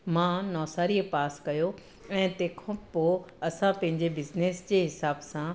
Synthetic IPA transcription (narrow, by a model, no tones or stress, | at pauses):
mãːnɔːsaːɾijəpaːskɐjo | ɛ̃ːt̪ẽːkʰõpoɐsãpɐ̃ɦɪ̃ɲd͡ʑebɪzneːsd͡ʑeːɦɪsaːbsã